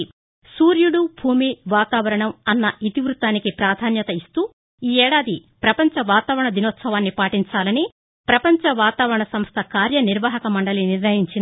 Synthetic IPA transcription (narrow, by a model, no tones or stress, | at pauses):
suːɾjuɽubʱuːmiʋaːt̪aːʋɐɾɐɳɐmɐnːɐʔit̪iʋɾut̪aːnikipɾaːd̪ʱaːnjɐt̪ɐist̪uː | iːɛːɽaːd̪ipɾɐpɐɲt͡ʃɐʋaːt̪aːʋɾɐɳɐd̪inoːt̪sɐʋaːnːipaːʈiɲt͡ʃaːlɐni | pɾɐpɐɲt͡ʃɐʋaːt̪aːʋɐɾɐɳɐsɐmst̪ʰɐkaːɾjɐniɾʋaːɦɐkɐmɐɳɖɐliniɾnɐjiɲt͡ʃin